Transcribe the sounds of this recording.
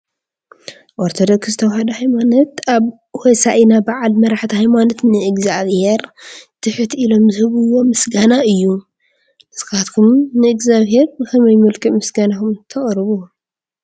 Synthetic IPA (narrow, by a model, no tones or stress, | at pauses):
ʔoɾt̪ʰod̪okszɨt̪ʰɐwhad̪ɐhajmanɐt̪aβ | hesaʔinabaʕalmɐɾaħt̪ʰihajmanɐt̪nɨɨɡzaβheɾt̪ʰɨħɨt̪ilo̞mzɨhɨβɨwːo̞mɨsɡanaɨjːu | ʔɨsɨkat̪kʰumnɨɨɡzaβhe̞ɾɨkʰɐmɐjmɨlkʰɨʔmɨsɡanakumt̪ʰɐχʼɾɨβu